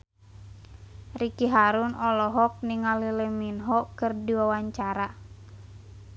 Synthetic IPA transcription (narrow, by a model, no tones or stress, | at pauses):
rikiɦaɾunɔlɔɦɔk̚niŋalileminɦɔkɨrdiwawaɲt͡ʃaɾa